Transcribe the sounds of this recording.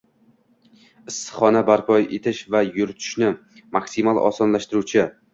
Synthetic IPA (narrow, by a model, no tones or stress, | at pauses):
ɪsːɨ̥χɒnabaɾpʰɒjḛt̪ʰɪʃvajʊɾt̪ʰʊ̥ʃnɪ | maksimalˠʔɒ̰sɒnlaʃt̪ɪɾut͡ʃʰɪ